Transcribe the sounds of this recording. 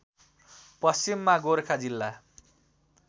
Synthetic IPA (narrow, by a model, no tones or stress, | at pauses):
pʌst͡simːaɡoɾkʰad͡zilːa